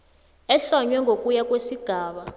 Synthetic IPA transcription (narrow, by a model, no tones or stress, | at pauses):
ɛɬɔɲwɛŋʱokʼujakʼwesiɡ̥ʱaːɓa